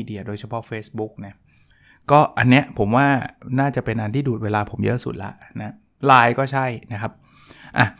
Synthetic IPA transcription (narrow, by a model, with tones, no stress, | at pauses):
i˧di˧ɐdoː˧jt͡ɕʰa˧pʰɔ˦˥feː˦˥sbu˦˥k̚na˦˥ | kɔː˥˩ʔa˧nːi˦˥ɐʔpʰo˩˦mwaː˥˩naː˥˩t͡ɕa˨˩pe˧nʔa˧nt̪ʰiː˥˩duː˨˩t̪̚weː˧laː˧pʰo˩˦mjɤ̰˦˥ʔsṵ˨˩t̪̚la̰˦˥na˦˥ | laː˧jkɔː˥˩t͡ɕʰa˥˩jna˦˥kʰa˦˥p̚ | ʔa˨˩